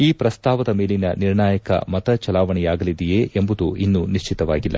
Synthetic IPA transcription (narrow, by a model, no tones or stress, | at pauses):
iːpɾɐst̪aːʋɐd̪ɐme̞ːlinɐniɾɳaːjɐkɐ̰mɐt̪ɐt͡ʃɐlaːʋɐɳɛjaːɡɐlid̪ijeːʔembud̪uinːuniʃt͡ʃit̪ɐʋaːɡilːɐ̰